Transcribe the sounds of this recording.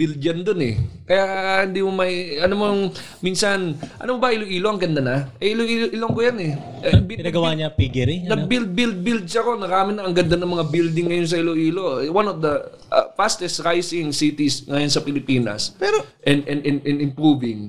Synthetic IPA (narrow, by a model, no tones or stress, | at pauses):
bild̪̚d͡ʒɐnd̪onɛ̰kɐjahɪnd̪imomɐɐnomoŋ | miːnsɐnʔɐ̰nomobɐʔɪloʔiːlo̞ʔɐŋɡɐnd̪anɐʔɛʔɪloʔiːloʔɪloɐŋkojanɛ | ɪnaːɡɐwaɲɐpiɡɛɾinɐɡ̚bild̪̚bild̪̚bild̪̚sɐɐko̞nɐɾaːmɪnɐɐŋɡɐnd̪anɐmɐŋabild̪ɪŋːɐjons̬ɐʔɪloʔiːlo̞wanɔvd̪ɐʔfast̪ɛst̪ɾajsɪŋsit̪ɪsŋɐjonsɐpɪlɪpiːnɐ̰spɛːɾoʔɛnd̪ʔɛnd̪ɛnd̪ʔɛnɪmpɾuːvɪŋ